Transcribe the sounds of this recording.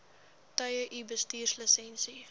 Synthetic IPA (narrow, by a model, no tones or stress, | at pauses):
tɐjəʔibəstiːrsləsɛnsi